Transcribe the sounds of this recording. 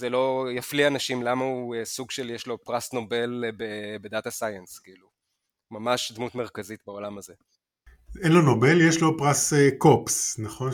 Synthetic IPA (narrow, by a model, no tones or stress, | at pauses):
zelo̞jaflianaʃimlamauesuɡʃeljeʃlo̞pʁasno̞be̞lbebedat̪asajenskiːlu | mamaʃd̪mutme̞ʁ̞kazit̪beo̞lamaze̞ | enlonobe̞ljeʃlo̞pʁasekopsnaχo̞n